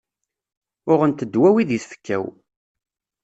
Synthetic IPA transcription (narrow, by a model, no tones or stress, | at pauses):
ʊʁənt̪əd̪ːwæwiðiθfə̥kːæw